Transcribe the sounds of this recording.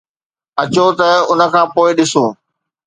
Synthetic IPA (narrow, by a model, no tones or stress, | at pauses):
ɐt͡ɕot̪ɐʊnə̆kʰãːpoːɪɗɪsoː